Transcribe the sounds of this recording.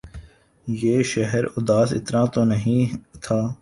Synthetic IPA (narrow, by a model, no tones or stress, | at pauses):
jeːʃɛɦɛɾʊd̪aːsɪ̰t̪nãːt̪oːnɐɦĩt̪ʰaː